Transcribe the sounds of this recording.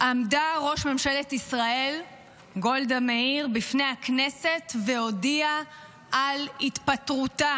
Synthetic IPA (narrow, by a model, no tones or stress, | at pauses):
ʔamdaʁo̞ʃmemʃeletisʁae̞l | ɡo̞ldameiʁbifnejaknese̞tveo̞dia | ʔalit̪patʁuta